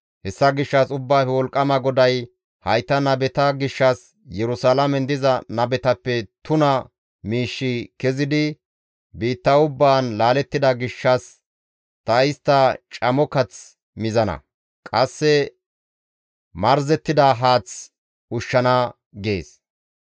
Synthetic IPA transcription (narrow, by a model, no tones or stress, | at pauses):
hɛsːɐɡɪʃːɐsʊbːaːfɛwɔlkʼːɐmɐɡɔd̪ɐj | hɐjt̪ɐnɐbɛt̪ɐɡɪʃːɐs | jɛɾʊsaːlɐmɛnd̪ɪzɐnɐbɛt̪ɐpːɛt̪ʊnɐ | miːʃːɪkɛzɪd̪ɪ | biːt̪ːɐʊbːaːnlaːlɛt̪ːɪd̪ɐɡɪʃːɐs | t̪ɐɪst̪ːɐt͡ʃʼɐmɔkɐt͡s | mɪzɐnɐ̰ | kʼɐsːɛ | mɐɾzɛt̪ːɪd̪ɐɦaːt͡s | ʊʃːɐnɐ | ɡḛːs